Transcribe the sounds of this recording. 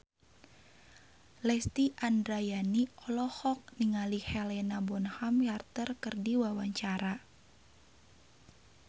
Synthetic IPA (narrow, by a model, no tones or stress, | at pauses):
lɛst̪iʔandɾajaniɔlɔhɔk̚niŋalihɛlɛnabɔnhamjart̪ərkɨrdiwawaɲt͡ʃaɾa